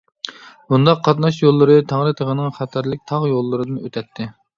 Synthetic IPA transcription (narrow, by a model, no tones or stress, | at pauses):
bund̪ɑqʰːɑt̪nɑʃjolˠːɨɾɨt̪ʰɑŋɾɨt̪ʰəʁənɪŋχɑt̪ʰæɾlɪk̚ʲt̪ʰɑʁjolˠːɨɾɨd̪ɨnøt̪ʰɛt̪ʰːɪ